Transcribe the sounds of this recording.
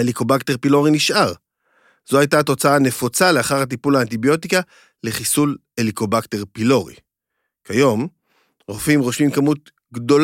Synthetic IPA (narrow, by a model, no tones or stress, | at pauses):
eliko̞bakteʁpilo̞ʁiniʃʔaʁ | z̥ohajtato̞t͡saane̞fot͡saleaχaʁhat̬ipulaːnt̪̬ibjo̞tika | le̞χisul | eliko̞bakteʁpilo̞ʁḭ | kajo̞m | ʁofimʁo̞ʃmimkamut̪̚ | ɡdo̞l